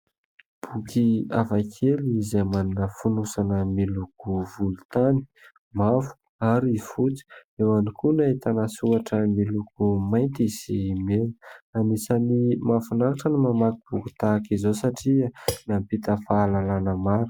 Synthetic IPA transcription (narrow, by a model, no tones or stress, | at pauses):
b̥ukʰiavakʰelizamanunəfunusanəmilukuvulut̪ani̥ | mafu̥ | aɾiifut͡si̥ewanikunaet̪anasuaʈ͡ʂəmilukumajnt̪iz̥imenanisanimafunaɾaʈ͡ʂənimamakib̥ukut̪akizosaʈ͡ʂianampit̪əfaːlalanəmaɾu̥